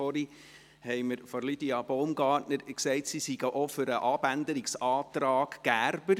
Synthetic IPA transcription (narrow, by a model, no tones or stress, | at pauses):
ɔɾi | hɛɪməɾfɔɾlid̥iɑb̥ɔʊmɡɑːtnəɾksɛɪtsisiɡəʔɔfʏɾəʔɑbænd̪əɾiksɑːt̪ɾɑːɡ̥ːæːɾbəɾ